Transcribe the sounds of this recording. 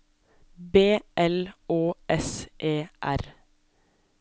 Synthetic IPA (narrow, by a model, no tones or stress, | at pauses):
beːʔɛloːʔɛsʔeːʔæɾ